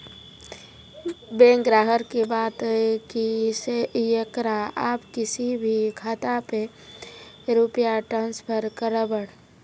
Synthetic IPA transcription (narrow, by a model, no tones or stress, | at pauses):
bẽŋkɾaːɦəɾkibaːt̪ekisejekɾaaːpkɪsibʱikʰaːt̪ape | ɾupjaʈɾãːnspʰəɾkəɾəbəɽ